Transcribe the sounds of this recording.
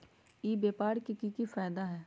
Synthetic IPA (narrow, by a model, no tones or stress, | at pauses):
iːbeːpaːɽkikikifaːd̪aɦɛː